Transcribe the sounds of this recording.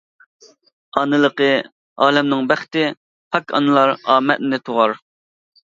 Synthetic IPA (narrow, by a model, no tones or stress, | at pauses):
ɑnɨlˠəqə | ɑːlɛmnɪŋbæχt̪ɪ | pʰɑkʰɑ̰nɨlˠɑɾɑːmɛt̪nɪt̪ʰoʁɑɾ